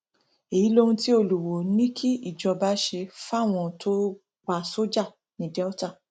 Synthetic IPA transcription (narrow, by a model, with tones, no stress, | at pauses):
e˨ji˨˦lo˧hũ˧ti˦o˧˨lu˨wo˨˦nĩ˦kʰi˦i˨d͡ʒɔ˧ba˧˦ʃe˧fa˦˨w̃ɔ̃˧˨tʰo˦ | k͡pa˧so˦d͡ʒa˦˨ | nĩ˨˦dɛ˦ɔ˦ta˦˨